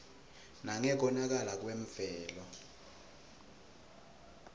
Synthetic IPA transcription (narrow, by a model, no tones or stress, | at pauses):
naŋɛk̬ɔnak̬alak̬weɱfɛːlɔ